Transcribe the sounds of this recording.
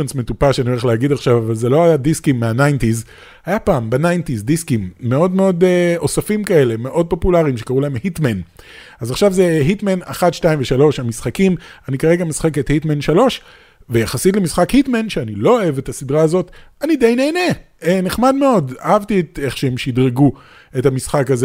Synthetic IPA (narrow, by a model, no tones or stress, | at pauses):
nsme̞tupaʃanioleχleaɡidaχʃavavalzelo̞ajadiskimːeanajntiz | hajapaːmbenajntizdiskimːeo̞dmeo̞deo̞safimkae̞le̞me̞ʔo̞d̚po̞pulaʁimʃe̞kaʁulaemhitmen | azaχʃavzeɦitmena̰χad̪ʃtaimveʃalo̞ʃhamisχakimanikaʁe̞ɡamesḁχe̞kethitmenʃalo̞ʃ | vejaχasitle̞misχakhitmenʃeanilo̞oevetasidʁaːzo̞t | anid̪e̞jneːne̞ | neχmadme̞o̞daavtiete̞χʃeemʃidʁeɡu | e̞tamisχakaze